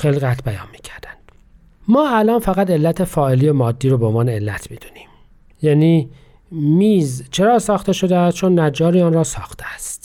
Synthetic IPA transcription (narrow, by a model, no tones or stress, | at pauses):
xeliɣæt̪ʰbæjɒ̰ːnmi̥ːcʰæɾd̪æ̥nd̪̥ | mɒːælɒːnfæɣæt̪e̞lːæt̪ʰe̞fɒːelijemɒːd̪ːiːɾobeonvɒːneelːæt̪ʰmiːd̪uni̥ːm | jæniː | miːzt͡ʃʰe̞ɾɒːsɒːxt̪e̞ʃo̞d̪eæst̪t͡ʃʰo̞nːæd͡ʒːɒːɾiɒːnɾɒːsɒːxt̪ʰeæst̪